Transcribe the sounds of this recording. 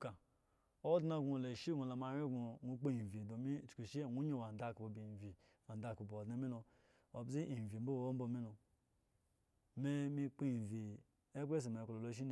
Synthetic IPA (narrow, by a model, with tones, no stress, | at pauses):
ka˨ | o˦dna˦ɡu˨˧˨la˨ʃi˦ɡu˨la˨ma˨˦ɾi˦ɡu˨nu˧˦k͡pe˦i˨vi˨do˨mi˦˨t͡ʃu̥˨ku˨ʃi˦˨ŋu˦ɲo˦˨wa˨n˨da˦˨ku˨bo˨bi˨vi˨ | a˨n˨da˨ku˨bo˨o˨dna˦mi˦lo˧ | o˨bzi˦i˨vi˨˦bo˦wo˨o˦m̩˦bo˦mi˦lo˨ | me˦mi˦k͡pi˦˨vi˨ | e˦be˦s̬i˨me˨kʷo˨lo˨lo˨˦ʃ̬i˦n˨